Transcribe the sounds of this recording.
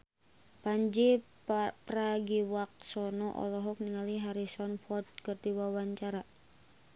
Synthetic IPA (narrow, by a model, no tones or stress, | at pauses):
paɲd͡ʒi | praɡiwak̚sɔnɔʔɔ̰lɔɦɔk̚niŋaliɦaɾisɔnfɔt̪̚kərdiwawaɲt͡ʃaɾa